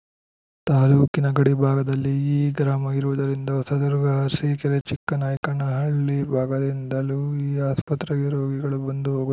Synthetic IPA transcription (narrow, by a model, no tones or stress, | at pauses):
t̪aːluːkinɐɡɐɽibʱaːɡɐd̪ɐlːiiːɡɾaːmɐiɾuʋud̪ɐɾind̪ɐɔsɐd̪uɾɡɐɾsiːkɐɾet͡ʃikːɐnaːjɐkɐnɐɦɐɭːibʱaːɡɐd̪ind̪ɐluːiːaːspɐt̪ɾɐɡiɾoːɡiɡɐɭubɐnd̪uɦoːɡu